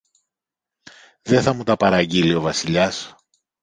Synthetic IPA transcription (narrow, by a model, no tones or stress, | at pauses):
ðe̞θɐmut̪ɐpɐɾɐɟilio̞vɐsiʎɐs